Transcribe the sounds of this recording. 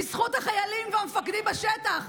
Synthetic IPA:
isχut̪haχajalimveamefakd̪imbaʃet̪aχ

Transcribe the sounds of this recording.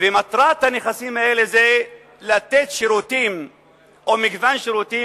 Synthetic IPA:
vemat̪ʁat̪haneχasimhaeleze | lat̪et̪ʃiɾut̪im | ʔo̞miɡvanʃiɾut̪i

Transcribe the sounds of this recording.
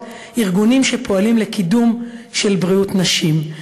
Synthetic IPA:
iʁɡunimʃepʰo̞alimlekidumʃe̞lbʁiutnaʃim

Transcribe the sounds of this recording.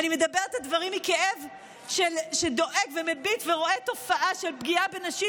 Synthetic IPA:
animed̪abeʁet̪advaʁimikeʔe̞v | ʃelʃedo̞ʔekvemebitveʁo̞et̪o̞faʔaʃe̞lbɡiabe̞naʃi

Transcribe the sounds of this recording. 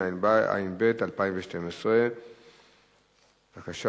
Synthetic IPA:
na̰jinbetalpaĩɱveʃte̞mesʁe | vakaʃa

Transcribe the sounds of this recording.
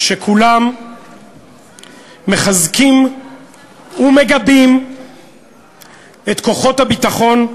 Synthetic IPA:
ʃekʰulam | e̞χazkim | ume̞ɡabim | etko̞χo̞thabit̪aχo̞n

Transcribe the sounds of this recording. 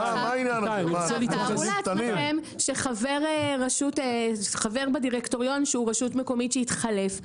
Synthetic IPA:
amainanaiselit̪aeaiem | ʃeχaveʁeʁaʃuteχaveʁbadiʁekto̞ʁjo̞nʃeuʁaʃutmeko̞mitʃeitχale̞f

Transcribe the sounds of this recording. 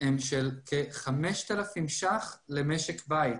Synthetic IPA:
emʃelkʰeχameʃt̪alafimʃaχlemeʃekbajt̪

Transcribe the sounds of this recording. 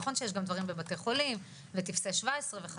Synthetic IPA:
χo̞nʃejeʃɡamd̪vaʁimbe̞bateχo̞lim | vetifseʃvaesʁeveχa

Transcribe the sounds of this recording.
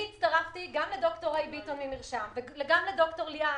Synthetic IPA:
it̪st̪aʁaftiɡamledo̞kto̞ʁejbitonimiʁʃamveeɡamledo̞kto̞ʁlia

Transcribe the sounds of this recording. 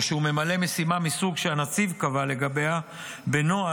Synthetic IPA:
ʃehume̞male̞me̞simamisuɡʃeanat͡sivkavale̞ɡabe̞a | benoa

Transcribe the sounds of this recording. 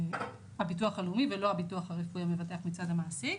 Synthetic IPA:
habituaχalumivelo̞habituaχhaʁefujamevat̬e̞aχmit͡sadhamaːsi

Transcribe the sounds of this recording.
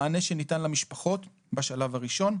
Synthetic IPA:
ne̞ʃenitanlamiʃpaχo̞t | baʃalavaʁiʃo̞n

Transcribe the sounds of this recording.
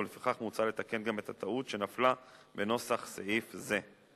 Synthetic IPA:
lefiχaχmut͡sale̞t̪ake̞nɡame̞t̪hat̪ʰautʃe̞naflabeno̞saχseʔifze

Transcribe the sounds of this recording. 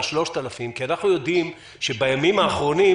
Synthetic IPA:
ʃlo̞ʃt̪alafimkianaχnujo̞d̪im | ʃebajamimaːχʁo̞ni

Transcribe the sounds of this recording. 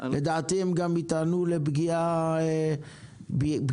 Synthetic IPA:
lʔed̪aːt̪iemɡamit̪anulebɡia | bb

